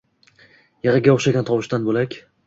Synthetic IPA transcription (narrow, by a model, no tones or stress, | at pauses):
jeʁaɡʲaoχʃaɡʲant̪ʰɒwɪʃt̪anbolakʲ